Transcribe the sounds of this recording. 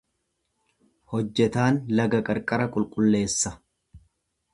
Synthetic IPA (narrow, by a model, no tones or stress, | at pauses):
hɔd͡ʒːɛt̪aːnlɐɡɐkʼɐɾkʼɐɾɐkʼʊlkʼʊlːe̞ːsːɐ